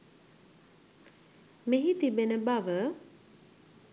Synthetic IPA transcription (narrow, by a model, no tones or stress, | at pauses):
meɦit̪ibenəbaʋə